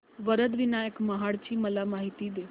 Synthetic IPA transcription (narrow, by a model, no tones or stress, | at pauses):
ʋəɾəd̪ʋinajəkməɦaɽt͡ɕiːməlamaɦit̪iːd̪e